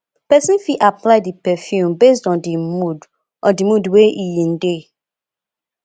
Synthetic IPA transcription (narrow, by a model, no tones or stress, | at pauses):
pɛsĩnfiʔaplaɪdipɛfjũmbes̬tɔ̃ndimud | ʔɔ̃dimudweʔijĩnde